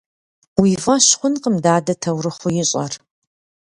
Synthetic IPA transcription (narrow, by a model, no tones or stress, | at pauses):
wiːvɐɕχʷʊnqəmdaːdɐtʰɐwɾɨχʷʊjɪɕʼɐ̰r